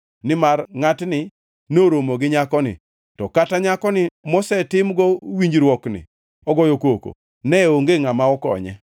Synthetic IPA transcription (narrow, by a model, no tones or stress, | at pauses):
nɪmarŋatnɪ | noɾomoɡɪɲakɔnɪ̰ | tɔkataɲakɔnɪmɔsɛtɪmɡɔwiɲd͡ʒɾwɔknɪ̰ | ɔɡɔjokoko̰ | nɛoŋɡeŋamaɔkɔ̰ɲɛ̰